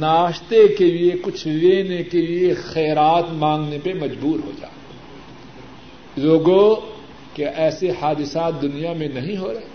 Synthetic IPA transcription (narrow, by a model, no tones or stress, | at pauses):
naːʃt̪ekeliekʊt͡ʃʰleːnekeliexɛːɾaːt̪mãːŋɡnepemɐd͡ʒbuːɾɦo̰d͡ʒa̰ː | zoːɡo | keʔɛːsehaːd̪ɪsaːt̪̚d̪ʊnijamẽnɐɦĩɦoɾɐɦe